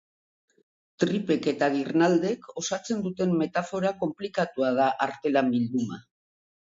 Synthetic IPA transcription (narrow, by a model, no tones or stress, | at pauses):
t̪ɾipe̞ke̞t̪aɣirnald̪e̞ko̞sat͡se̞nd̪ut̪e̞mːe̞t̪afo̞ɾako̞mplikat̪uað̞aʔaɾt̪e̞lambild̪uma̰